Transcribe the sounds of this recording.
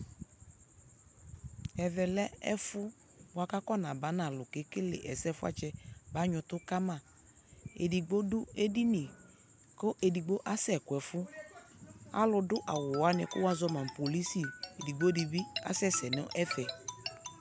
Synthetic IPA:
ɛ˨vɛ˨lɛ˦ɛ̰˦fʊ˦ | ba˨ka˦kɔ˦˨nã˨ba˨˦na˨lʊ˨ke˨˦kɪ˦lḛ˨ʔɛ˨sɛ˦fʊ˦a̰˦t͡ʃɛ˦ba˨˦ɲʊ˧tʊ˦ka˦mã˦˨ | ḛ˨di˨ɡ͡bo˦dʊ˦e˦di˦ni˨ | kʊ˦ʔe˨di˨ɡ͡bo˦ʔa˦sɛ˨kʊ˨ɛ˨fʊ˦ | a̰˦lʊ˧dʊ˦ʔa˨wʊ˨wa˨˦nɪ˧kʊ˦wa˦zɔ˦mã˨m˨po˨li˦si˨e˨di˨ɡ͡bo˦di˨bi˦a̰˦sɛ˦˨sɛ˨nɛ˦ʔɛ˦fɛ˨

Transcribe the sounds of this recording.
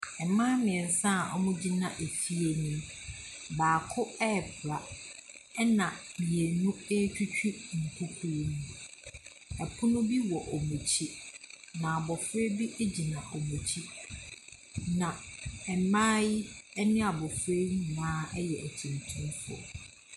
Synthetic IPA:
ɛ˨mã˦mɪ̃˨sã˦˨ʔɔ̰˦mʊ̃˦d͡ʑi˦nã˨ʔe˨fi˦e˨nĩ˦m | baː˨kʰʊ˦ɛ˦˨bʰɾa˨ | ɛ˦nã˨mi˨e˨nũ˦e˦t͡ɕᶣu˦t͡ɕᶣi˦ŋ̩˨kʰu˦kʰu˦ɾnũ˦ | ɛ˨pʰʊ˦nʊ̃˦bi˦wɔ˨ʔɔ˨mũ˨t͡ɕʰi˦nã˨a˨bɔ˨fɾe˦bi˦ʔe˦d͡ʑi˨nã˨ʔo˨mũ˨t͡ɕʰi˦ | nã˨ɛ˨mãː˦ji˦ɛ˦nɪ̃˦a˨bɔ˨fɾe˦nãː˨˦ɛ˦jɛ˨ʔæ˨t͡ɕʰĩ˨ntʰũ˦mfʊ˦ɔ̰˨

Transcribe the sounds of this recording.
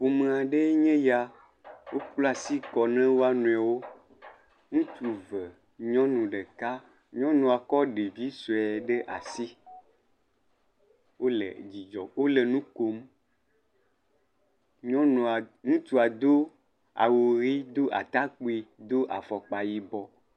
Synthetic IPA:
ɸo˨mẽ˨a˨ɖe˦ɲẽ˦ja˨ | wʔo˦k͡plɔ˦a˨si˦kɔ˨nɛ̃˦wo˦a˦nũ˨ɛ˨wo˦ | ŋũ˦t̪u˨və˨ | ɲɔ̃˦nũ˨ɖe˨ka˦ | ɲɔ̃˦nũ˨a˨kɔ˦ɖe˨vi˦so˨ɛ˨ɖe˦ʔa̰˨si˦ | wo˦lḛ˨d͡ʑi˨d͡ʒɔ˨wo˦le˨nũ˦ko˨m | ɲɔ̃˦nũ˨ŋũ˦t̪u˦a˨d̪o˦ | a̰˨wo˨ɾi˦d̪o˦ʔa̰˨t̪a˦k͡po˦i˨d̪o˦ʔa˨fɔ˨k͡pa˨ji˨bɔ˨

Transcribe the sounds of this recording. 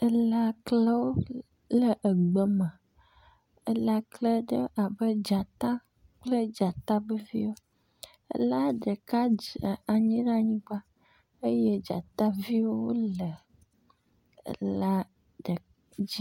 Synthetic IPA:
e˦la˦kle˦wo˦ | lə˨ʔə˨ɡ͡bə˨mã˨ | e˦la˦klə˦ɖə˦ʔa˨bə˦d͡ʒa˨t̪ã˦ | k͡plə˦d͡ʒa˨t̪a˦be˦vi˦wo˦ | ḛ˦la˦ɖə˨ka˦˨a˨ɲĩ˦ɖa˦˨ɲĩ˦ɡ͡ba˦ | e˦je˦d͡ʒa̰˨t̪a˦vi˦wo˦wo˦lə˨ | ḛ˦˨la˦ | ɖə˨ | d͡ʑi˦

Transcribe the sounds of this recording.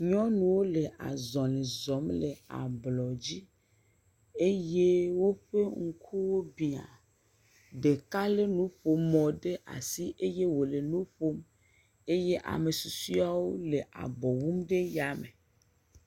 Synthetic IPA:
ɲɔ̃˦nũ˨wo˦le˨ʔa̰˨zɔ̃˨lĩ˨zɔ˨˦mle˨a̰˨blɔ˨d͡ʑi˦ | e˦je˦wo˦ɸe˦ŋ̩˦kʰu˦wo˦bi˨a̰˨ | ɖe˨ka˦le˦nũ˦ɸo˨mɔ̃˨ɖe˦ʔa̰˨si˦ʔe˦je˦wo˨le˨nũ˦ɸo˦m | e˦je˦ʔa̰˨me˨su˨su˦a˦˨wo˦le˨ʔa̰˨bɔ˨wu˦mɖe˦ja˨me˨

